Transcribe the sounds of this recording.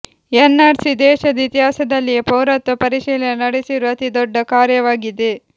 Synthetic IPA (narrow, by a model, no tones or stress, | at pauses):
ɛnːaːɾsid̪ɛːʃɐd̪ɐit̪iɦaːsɐd̪ɐlːipɐwɾɐt̪ːupɐɾiʃiːlɐnɐnɐɽesiɾuɐt̪id̪ɔɖːɐkaːɾjɐʋaːɡid̪e